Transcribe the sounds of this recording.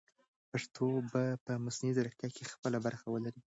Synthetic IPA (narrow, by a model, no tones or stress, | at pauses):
paʂt̪ʰobapəmʊsnizaɾak̚t̪jakʰexpəlabaɾxawəlaɾi